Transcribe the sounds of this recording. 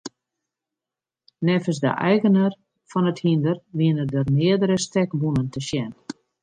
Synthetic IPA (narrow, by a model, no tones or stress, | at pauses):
nɛfəsdə̰ʔɛjɣənər | fɔnəthindərʋiənədərmɪədəɾəstɛkbunəntəʃjɛn